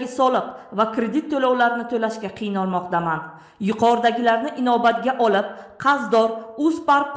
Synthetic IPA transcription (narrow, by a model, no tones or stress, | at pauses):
ɪsɒlˠɨqvakɾe̞d̪it̪ʰːolawlaɾɪnɪt̪ʰolaʃkʲaqʰɨjɪnɒlˠmɒqt̪aman | jʊqʰɒɾd̪aɡʲɪlaɾnɪʔɪnɒbat̪ɡʲaʔɒlˠɪp̚qʰɑzd̪ɒɾʊzpaɾk̚